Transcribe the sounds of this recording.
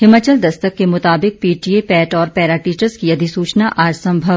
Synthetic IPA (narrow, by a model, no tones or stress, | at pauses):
ɦɪmːət͡ʃəld̪ɐst̪əkːemʊt̪aːbɪk̚piːʈiepɛːʈɔːɾpɛːɾaʈiːt͡ʃəɾzkiɐd̪ʱisuːt͡ʃnaʔaːɾsɐ̃mbʱəʋ